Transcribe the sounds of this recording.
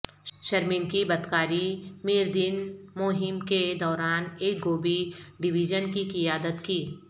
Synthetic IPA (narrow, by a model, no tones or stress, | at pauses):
ʃɐɾmɪnkibɐt̪kaːɾimiːɾd̪ɪnmoːɦɪmked̪ɔːɾaːneːk̚ɡoːbiɖɪʋid͡ʒənkikijaːd̪ət̪kiː